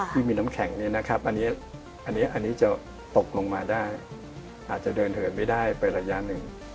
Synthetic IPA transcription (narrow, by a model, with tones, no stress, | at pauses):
iː˥˩miː˧na˦˥mkʰɛ˩˦ŋniː˦˥˩na˦˥kʰa˦˥p̚ʔa˧nːiː˦˥ | ʔa˧nːi˦˥ʔa˧nːiː˦˥t͡ɕa˨˩ | t̪o˨˩k̚lo˧ŋmaː˧daː˥˩j | ʔaː˨˩t̪̚t͡ɕa˨˩dɤː˧nt̪ʰɤː˩˦nma˥˩jdaː˥˩jpa˧jɾa˧ja˦˥nɯ˨˩ŋ